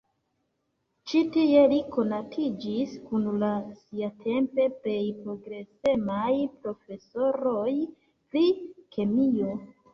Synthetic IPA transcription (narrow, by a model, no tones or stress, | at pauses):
t͡ʃitie̞liko̞natʰid͡ʒiskunlasiatʰe̞mpe̞ple̞jpɾo̞ɡɾe̞se̞majpɾo̞fe̞so̞ɾo̞j | pɾikʰe̞mio̞